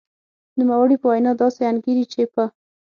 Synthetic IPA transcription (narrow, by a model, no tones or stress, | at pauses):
numawəɽipəwajnɑd̪ɑseanɡiɾit͡ʃepə